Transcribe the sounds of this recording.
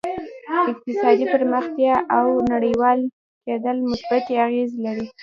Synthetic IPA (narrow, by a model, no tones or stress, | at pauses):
ɪq̚t̪ɪsɑd̪ipəɾməxt̪jɑʔawnaɽəjwɑl | ked̪əlmʊsbat̪jeaɣezlaɾi